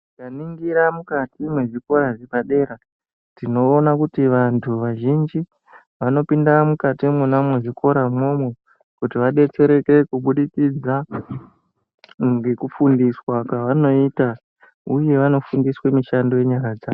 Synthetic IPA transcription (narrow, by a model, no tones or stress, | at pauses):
ikaniŋɡiɾamukatimweʐiko̞ɾaʐepaɗe̞ɾa | tino̞ːnakutiʋantʰuʋaʒind͡ʒi | ʋano̞pindamukatimunamweʐikʰo̞ɾamo̞mwe | kutiʋaɗe̞t͡se̞ɾe̞ke̞kuɓuɗit͡sid͡za | ɡe̞kufundiswakwaʋano̞ita | uje̞ʋano̞fundiswemiʃando̞je̞ɲaɾad͡zaːo